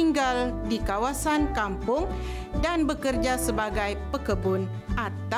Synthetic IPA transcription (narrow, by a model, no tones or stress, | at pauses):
iŋɡaldikawasankampʊŋ | danbəkərd͡ʒasəbaɡajpəkəbʊn | ʔat̪a